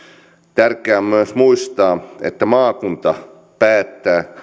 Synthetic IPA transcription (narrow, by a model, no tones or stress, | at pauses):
t̪ærkːˑeæːommyøsmuist̪ɑːḛt̪ːæmɑːkunt̪ɑ | pæːt̪ːæː